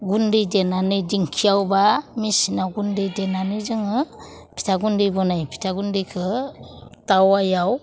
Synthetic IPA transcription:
ɡundɯjdenanɯdiŋkʰijawbamisinawɡundɯjdenanɯzɯŋɯ | pʰi̥tʰaɡundɯjbɔnajpʰi̥tʰaɡundijkʰɯ | tawajaw

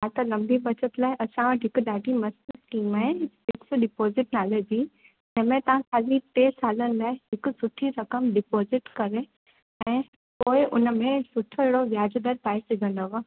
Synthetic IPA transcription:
aːt̪ɐlɐ̃mbʱibɐt͡ɕət̪laːɪʔɐsãʋʱɪkʊɗaːɖʱimɐsɪsʈiːmaɦẽsɪksɖɪpoːzɪʈnaːleb̪ʱi | d͡ʑɐ̃ɦɪ̃mẽt̪ɐʋ̤ãkʰaːlit̪eːsaːlənɪ̆laːɪɦɪkʊsʊʈʰiɾɐkəmɖɪpoːzɪʈkɐɾe | ɛ̃ː | poːɪʔʊnə̆mẽsʊʈʰoɪɦɽoʋjaːd͡ʑd̪əɾpaːɪsɪɡʱə̃nd̪ɐʋə

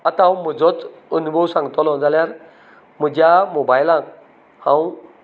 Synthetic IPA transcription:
at̪aɦãw̃m̤əd͡zɔt͡sənubʱəwsãŋɡt̪ɔlɔ̃d͡zaljaɾ | m̤əd͡ʑjamobajlãk | hãw

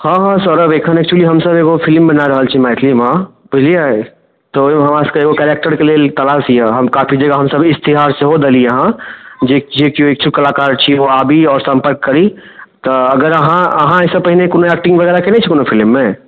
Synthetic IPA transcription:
hãɦãsɔɾəbekʰənɛːk̚t͡ʃuəliɦəmsəbeɡopʰɪlmːə̃naɾəɦəlt͡ʃʰimaːɪt̪ʰlimã | bʊd͡ʒʱliae | t̪ooɦəmaskaeːɡokɛɾek̚ʈəɾkelelt̪ɐlasijaɦəmkaːpʰid͡ʒəɡaɦəmsəbɪst̪iɦaːɾseɦod̪eliəɦãd͡ʒed͡ʒekioeːk̚t͡ʃʰukɐlaːkaːɾt͡ʃʰioaːbʱiɔːɾsə̃mpəɾkːəɾi | t̪ɔɐɡəɾəɦãə̰ɦãɛsəbpəɦinekoːnoɛk̚ʈɪ̃ŋɡʋəɣɛːɾakenet͡ʃʰɛkoːnopʰɪlmːẽ

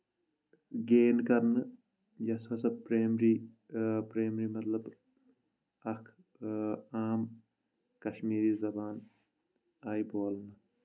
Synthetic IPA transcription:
ɡeːnkɐɾnɨ | jɐsɐsɐbpɾeːmɾi | pɾeːmɾimɐt̪lɐb | ɐkʰ | aːm | kɐʃmiːɾiːzɐbaːn | aːjboːlnɨ

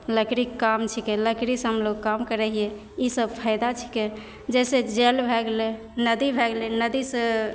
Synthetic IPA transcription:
ləkɾikːamt͡ʃʰikeləkɾisɦəmloɡkamkəɾɛɦie | isəb̚pʰaɪd̪at͡ʃʰi̥ke | d͡ʒɛsed͡ʒɛlbʱɛɡle | nəd̪ibʱɛɡlenəd̪isə

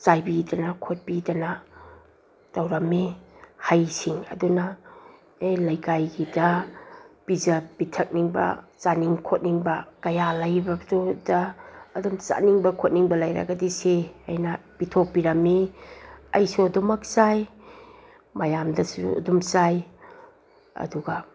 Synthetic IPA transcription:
t͡ʃajbidɐnɐkʰot̚pidɐnɐ | tɐwɾɐmihajsiŋɐ̰dunɐ | elɐjkajɡidɐ | pizɐbitʰɐk̚niŋbɐ̰t͡ʃaniŋkʰot̚niŋbɐkɐjalajbɐbtʰodɐːdumt͡ʃa̰niŋbɐkʰot̚niŋbɐlajɾa̰ɡɐdiseajnɐpitʰopiɾɐmi | ɐ̰jsuɐdumɐk̚saj | mɐjamdɐsuṵɐ̰dumt͡ʃaj | ɐ̰duɡɐ

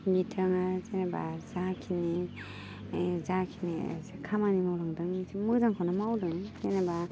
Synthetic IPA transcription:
bitʰɯŋazenaba̰zakʰini | zakʰinḭzekʰamanimawɾaŋdɯŋsmɯzaŋkʰawnamawdɯŋsenaba

